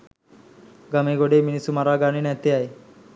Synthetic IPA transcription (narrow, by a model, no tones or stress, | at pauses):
ɡɐmeɡoɽeminisumaɾaːɡaːninɛt̪eae